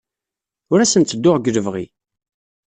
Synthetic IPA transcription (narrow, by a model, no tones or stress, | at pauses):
ʊɾæsənt̪t͡sːəd̪ːʊʁɡələvʁḭ